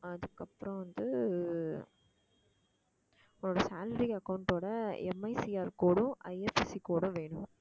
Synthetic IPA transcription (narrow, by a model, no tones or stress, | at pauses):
ɐðɯkːɐpːɯɾɔ̃ʋɐnd̪ɯ | ʊŋoːɽɐsaːlɐɾiɐkɐʋʊɳʈoːɽɐɛmːɐɪsiaːɾkoːɽʊ̃ʔɐɪɛfɪsikoːɽʊ̃ʋeːɳʊ̃